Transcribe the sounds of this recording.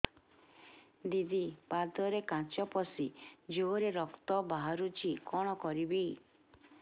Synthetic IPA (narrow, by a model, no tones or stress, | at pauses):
d̪id̪ipad̪ɔɾekãt͡ʃɔpɔsid͡ʒoɾeɾɔkt̪ɔbaɦaɾut͡ʃʰikɔɽ̃ɔkɔɾibi